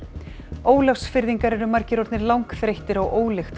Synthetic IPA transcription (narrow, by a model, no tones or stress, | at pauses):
oːwlafsfɪɾðiŋkaɾɛɾʏmaɾcɪɾɔɾt̪nɪɾlawŋkθɾejht̪ɪɾaɣʔoːwlɛxt̪